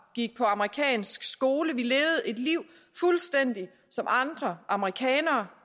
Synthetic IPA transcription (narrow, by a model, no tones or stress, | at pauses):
ɡ̥iɡ̥̚pʰɒ̽ɑ̈məʁikʰɛ̰ːnsɡ̥sɡ̥o̝ːləʋileːʊð̞̩ˠe̝d̥liʊ̰ | fulsd̥en̰d̥i | sɒ̽mʔɑ̈nd̥ʁɐʔɑ̈məʁikʰɛ̰ːnɐː